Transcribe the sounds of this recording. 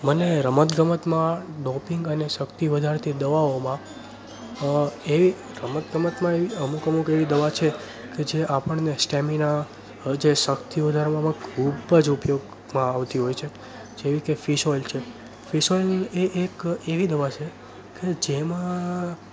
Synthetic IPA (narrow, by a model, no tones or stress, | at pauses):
məneɾəmət̪ɡəmət̪mãɖɔpiŋɡənesəkt̪iʋəd̪ʱaɾt̪ʰid̪əʋaomã | eʋi | ɾəmət̪ɡəmət̪mãeʋiəmukəmukeʋid̪əʋat͡ʃʰe | ked͡ʒeʔapəɳnesʈɛmina | d͡ʒesəkt̪iʋəd̪ʱaɾmãmãkʰubəd͡ʒupjoɡ | mãːʋt̪iɦojt͡ʃʰe | d͡ʒeʋikefiʃolt͡ʃʰe | fiʃoleʔekeʋid̪əʋat͡ʃʰe | ked͡ʒemã